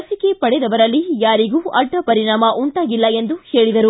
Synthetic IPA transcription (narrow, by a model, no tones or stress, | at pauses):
ɐsikepɐɽɛd̪ɐʋɐɾɐlːijaːɾiɡuːʔɐɖːɐpɐɾiɳaːmɐʔuɳʈaːɡilːɐe̞nd̪uhe̞ːɭid̪ɐɾu